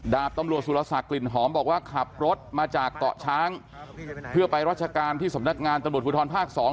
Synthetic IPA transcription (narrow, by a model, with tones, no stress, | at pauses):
daː˨˩p̚t̪a˧mɾu˨˩ət̪̚su˨˩la˧sa˨˩kːli˨˩nɦɔː˩˦mbɔː˨˩k̚waː˥˩kʰa˨˩p̚ɾo˦˥t̪̚maː˧t͡ɕaː˨˩k̚t̪ɔ̰˨˩ʔt͡ɕʰaː˦˥ŋ | pʰɯ˥˩ɐpa˧jɾaː˦˥t̪̚t͡ɕʰa˧kaː˧nt̪ʰiː˥˩sa˩˦mna˦˥k̚ŋaː˧nt̪a˧mɾu˨˩t̪̚ʰːt̪ʰːnpʰaː˥˩k̚sɔː˩˦